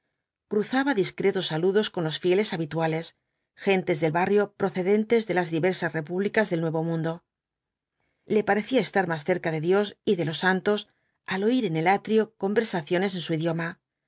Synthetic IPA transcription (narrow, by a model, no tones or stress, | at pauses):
kɾuθaβaðiskɾe̞t̪o̞sːaluðo̞sko̞nlo̞sfje̞le̞saβit̪wale̞s | xe̞nt̪e̞zðe̞lβarjo̞pɾo̞θe̞ðe̞nt̪e̞zðe̞lazðiβe̞ɾsasre̞puβlikazðe̞lnwe̞βo̞mũnd̪o̞ | le̞paɾe̞θiae̞st̪aɾmasθe̞ɾkaðe̞ðjo̞siðe̞lo̞sːant̪o̞s | alo̞iɾe̞ne̞lat̪ɾjo̞ko̞mbe̞ɾsaθjo̞ne̞s̬e̞nsuiðjo̞ma